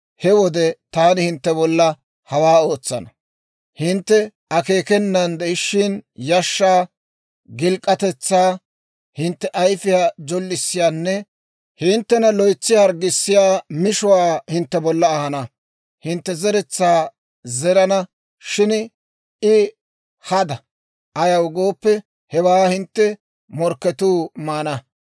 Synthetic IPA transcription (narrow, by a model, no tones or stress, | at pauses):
hɛwɔd̪ɛt̪aːnɪhɪnt̪ːɛbɔlːɐ | hɐwaːo̞ːt͡sːɐnɐ | hɪnt̪ːɛ | ɐke̞ːkɛnːɐnd̪ɛɪʃːɪnjɐʃːaː | ɡɪlkʼːɐt̪ɛt͡sːaː | hɪnt̪ːɛʔɐjfɪjaːd͡ʒɔlːɪsːɪjaːnːɛ | hɪnt̪ːɛnɐlɔjt͡sːɪjhɐɾɡɪsːɪjaːmɪʃʊwaːhɪnt̪ːɛbɔlːɐːhɐnɐ | hɪnt̪ːɛzɛɾɛt͡sːaː | zɛɾɐnɐ | ʃɪn | ɪ | hɐd̪ɐ | ʔɐjɐwɡoːpːɛ | hɛwaːhɪnt̪ːɛ | mɔɾkːɛt̪uːmaːnɐ